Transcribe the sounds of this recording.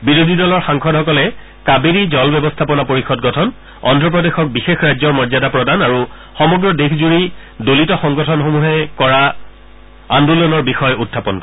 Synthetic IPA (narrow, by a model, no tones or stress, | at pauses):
biɹodʱidɔlɔɹxãŋkʰɔdɦɔkɔlɛ | kabeɾizɔlbɛbɔstʰapɔnapoɹixɔt̚ɡɔtʰɔn | ɔ̰ndɹɔp̬ɹɔdexɔk̚bixexɹajzɔɹmɔɹzadapɹɔdanaɹu | xɔmɔɡɹɔdexʰzuɹi | dolitɔxɔŋɡɔtʰɔnxomuɦɛkɔɹa | andulɔnɔɹbixɔjutʰːapɔnkɔ